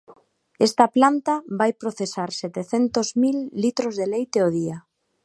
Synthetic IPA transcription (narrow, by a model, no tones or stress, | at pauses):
est̪aplant̪abajpɾoθesaɾset̪eθent̪ozmilːit̪ɾozðelejt̪eoð̞ia